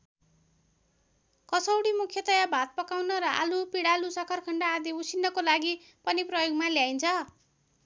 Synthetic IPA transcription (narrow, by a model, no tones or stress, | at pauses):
kʌsʌwɽimukʰjʌt̪ʌjabʱat̪̚pʌkawnʌɾʌʔa̰lupiɽalusʌkʰʌrkʰʌɳɖaːd̪iusinːʌkolaɡi | pʌniprʌjoɡmaljajnt͡sʰʌ